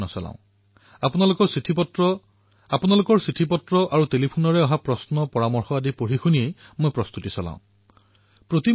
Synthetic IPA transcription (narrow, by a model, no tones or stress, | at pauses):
nɔsɔlã̰ʊ̃ | apunalokɔɹsitʰipɔtɹɔ | apunalʊkɔɹsitʰipɔtɹɔʔaɹutelipʰunɔɹɛɔɦapɹɔsnɔpɔɹamɔɹxɔadipoɹixuniejmojpɹɔst̪utisɔlã̰ʊ̃ | pɹot̪i